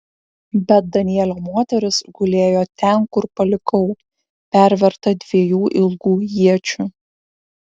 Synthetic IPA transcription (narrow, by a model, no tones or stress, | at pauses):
bʲɛt̪̚d̪ɐnʲɪjɛlʲoːmoːt̪ʲɛɾʲɪsɡʊlʲeːjoːt̪ʲɛnkʊɾpɐlʲɪkɐʊ | pʲæˑɾʲʋʲɛɾt̪ɐd̪ʲʋʲiɛjuːʔɪlˠɡuːjiɛt͡ʃʲʊ